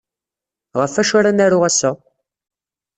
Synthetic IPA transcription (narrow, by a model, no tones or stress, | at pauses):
ʁəfːæʃaɾænæɾʊʁæsːæ